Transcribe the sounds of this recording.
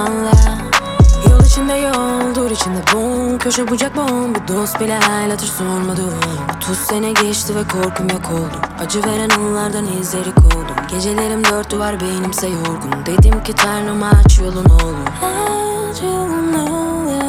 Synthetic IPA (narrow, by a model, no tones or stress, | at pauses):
anlˠa | jalˠɯʃind̪ajɛolˠd̪uːɾit͡ʃʰind̪ɛbucʰøʃɛbud͡ʒak̚banbid̪ost̪̚bilʲɛɦalʲˠat̪ʰɯɾsonɾmad̪ɯot̪ʰussenɛɟɛt͡ʃt̪ʰivɛkʰo̞ɾkʰumjokʰolˠd̪umad͡ʒɯve̞ɾænolˠaɾd̪anizlʲeɾikʰo̞lˠd̪umɟe̞d͡ʒe̞lʲe̞ɾimd̪øɾt̪ːyvaɾbenimsɛjoɾd̪umd̪e̞d̪imcit̪ʰaɾnɯmat͡ʃʰjolˠunolˠuhat͡ʃlˠunːa